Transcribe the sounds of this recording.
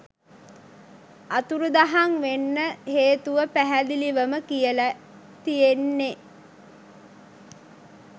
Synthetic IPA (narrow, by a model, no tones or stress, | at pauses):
at̪uɾud̪aɦaŋʋenːəɦeːt̪uʋəpæɦæd̪iliʋəməkijəlæ | t̪ijenːe